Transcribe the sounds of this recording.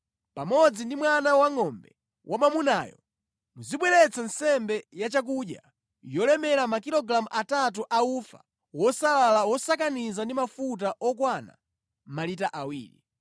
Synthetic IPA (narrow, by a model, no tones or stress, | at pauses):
pamɔd͡zindimwanawaŋɔmbɛ̰ | wʔamamunaːjɔ̰ | muziɓwɛɾɛt͡san̩sɛmbɛjat͡ʃak̬uɗja̰ | jɔlɛmɛɾamakilɔɡɾamuʔatat̬uʔaufa̰ | wɔsalalawɔsakanizandimafut̬aʔɔkwana̰ | malitaʔawḭːɾḭ